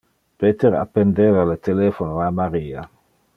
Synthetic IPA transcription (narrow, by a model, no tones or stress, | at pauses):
pet̪eɾa̰pːend̪eːvalet̪eleːfonoamaɾiːa̰